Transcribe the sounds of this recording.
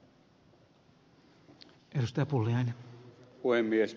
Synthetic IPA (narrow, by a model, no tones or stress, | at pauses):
ʔedust̪ɑjɑpulːiɑjnenpuhemːies